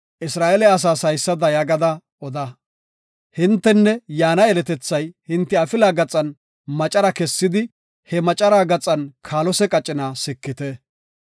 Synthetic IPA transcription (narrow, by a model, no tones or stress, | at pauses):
ʔɪsɾaːʔɛlɛɐs̬aːsɐjsːɐd̪ɐjɐɡɐd̪ɐ | ʔɔd̪ɐ | hɪnt̪ːɛnːɛjaːnɐɛlɛt̪ɛt͡sːɐjhɪnt̪ːɪɐfɪlaːɡɐt͡sʼɐn | mɐt͡ʃʼɐɾɐkɛsːɪd̪ɪ | hɛmɐt͡ʃʼɐɾaːɡɐt͡sʼɐnkʰaːlɔsɛkʼɐt͡ʃʼːɪnaːsɪkːɪt̪ɛ